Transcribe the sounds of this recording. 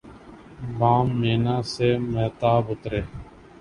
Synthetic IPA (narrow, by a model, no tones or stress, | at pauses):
baːmːeːnãːseːmeːt̪aːbʊt̪ɾeː